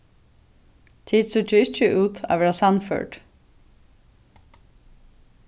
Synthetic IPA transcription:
t̪ʰiːd̪sʏt͡ʃəɪt͡ʃːəʔʉːt̪ʰa̰ːʋɛːɹasɑnfœ̰ːʈ

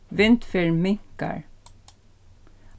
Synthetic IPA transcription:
ʋɪnt̪fɪɹmɪŋkə̰ɹ

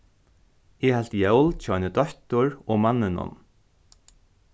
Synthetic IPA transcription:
ɪhalt̪jɛwlt͡ʃʰɔnəd̪ɔt̪ʊɹɔmanːɪnʊ̰n

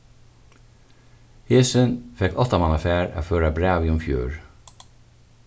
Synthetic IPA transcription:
heːsɪnfɛkɔt̪amanafæːɹa̰føːɾabɾæːʋiːʊmfjø̰ːɹ

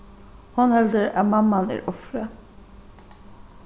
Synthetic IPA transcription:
hʊnhɛld̪əɾɑ̰mɑmɑnæ̰ːɹʔɔfɾə

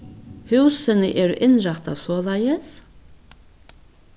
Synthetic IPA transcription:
hʉwsɪnɪʔɛːɾʔɪnɾaht̪aʋsɔːlajɪs

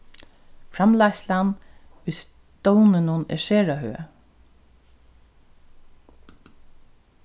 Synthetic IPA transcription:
fɾamlaslanʊjs | t̪ɔwnɪnʊnɛ̰ʃeːɹaɦø̰ː

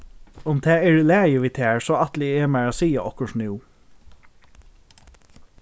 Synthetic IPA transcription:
ʊmt̪ʰæːɛɹlæːjəʋiːt̪ʰæːɹsoːɑt̪lɪɛːmæɹaːsiːaʔɔkəʂnɪː

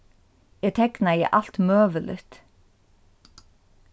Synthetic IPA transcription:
jɛːt̪ʰɛknajɛ̰ʔal̥t̪møːʋəlɪ̰t̪

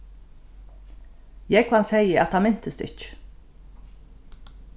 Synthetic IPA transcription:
jɛɡʰvansɛjəæt̪hamɪn̥t̪əst̪ɪ̰t͡ʃ

